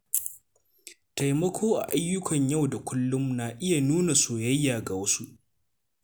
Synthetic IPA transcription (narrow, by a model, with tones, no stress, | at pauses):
ta˨jmɐ˦kʷʰoː˦ʔa̰˨ʔa˦jːʊ˦kʰɐ˨ɲjɐ˦˨wda˨kʷʰʊ˦lːʊ˦mnaː˨ʔɪ˦ja˨nuː˦na˨soː˨jɐ˦jːaː˨ɡa˨wɐ˦su˦ʔ